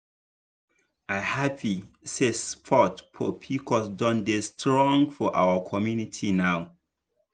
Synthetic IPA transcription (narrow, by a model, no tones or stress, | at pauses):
ʔaɪhapʰi | sespʰɔtpʰɔpʰikʰɔsdɔ̃ndestɹɔ̃ŋɡfɔʔa̰wəkʰɔmjunitʰinaʊ